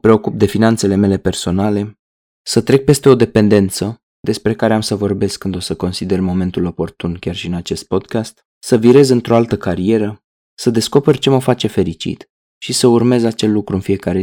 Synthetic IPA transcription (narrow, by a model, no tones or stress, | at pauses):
pɾe̞o̞kup̚d̪e̞finant̪se̞le̞me̞le̞pe̞rso̞nale̞ | sət̪ɾe̞k̚pe̞st̪e̞o̞d̪e̞pe̞nd̪e̞nt̪sə | d̪e̞spɾe̞kaɾe̞amsəvo̞rbe̞skːɨnd̪o̞səko̞nsid̪e̞rmo̞me̞nt̪ulo̞po̞rt̪unkʲarʃiɨnat͡ʃe̞st̪̚po̞d̪kast̪ | səviɾe̞zɨnt̪ɾo̞alt̪əkaɾie̞ɾə | səd̪e̞sko̞perʲt͡ʃe̞məfat͡ʃe̞fe̞ɾit͡ʃḭt̪ | ʃisəurme̞zat͡ʃe̞lːukɾuɨnfije̞kaɾe